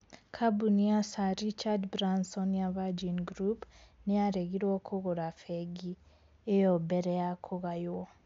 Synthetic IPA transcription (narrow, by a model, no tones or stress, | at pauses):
kʰabuniasaɾit͡ʃadbɾansɔnjavad͡ʒinɡɾupneaɾeɣiɾwokʰuɣoɾafeɡi | ejobeɾejakʰuɣajwo